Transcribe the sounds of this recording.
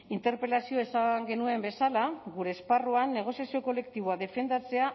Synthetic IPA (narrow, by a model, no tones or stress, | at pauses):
int̪e̞ɾpe̞lasioesaŋɡe̞nue̞mbe̞salaɣuɾe̞ːsparuanːe̞ɣ̞o̞sjasio̞ko̞le̞kt̪iβ̞oaðe̞fe̞nd̪at͡se̞a